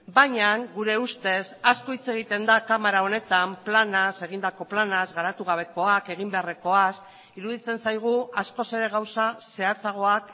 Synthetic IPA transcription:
bajɲaŋɡuɾe̞ust̪e̞sasko̞it͡se̞ɣ̞it̪e̞nd̪akamaɾao̞ne̞t̪amplanase̞ɣ̞ind̪ako̞planazɣaɾat̪uɣ̞aβ̞e̞ko̞ake̞ɣ̞imbe̞areko̞as | iɾuðit͡se̞nsajɣ̞uasko̞se̞ɾe̞ɣ̞awsase̞at͡saɣ̞o̞ak

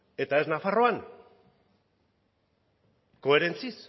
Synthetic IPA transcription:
e̞t̪ae̞znafaro̞an | ko̞e̞ɾe̞nt͡sis

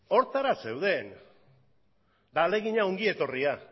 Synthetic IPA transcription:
o̞ɾt̪aɾase̞wðe̞n | d̪ale̞ɣiɲao̞ŋɡie̞t̪o̞ria

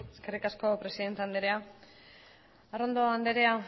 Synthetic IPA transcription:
eske̞rikasko̞pɾe̞siðe̞nt̪eand̪eɾea | arond̪oand̪eɾe̞a

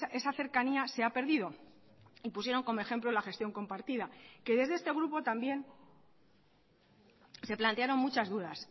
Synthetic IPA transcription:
e̞saθe̞ɾkaniase̞ape̞ɾðiðo̞ | ipusje̞ɾo̞ŋko̞mo̞e̞xe̞mplolaxe̞st̪jo̞ŋko̞mpaɾt̪iðake̞ðe̞zðe̞st̪e̞ɣ̞ɾupo̞t̪ambje̞n | se̞plant̪e̞aɾo̞ŋmut͡ʃazðuðas

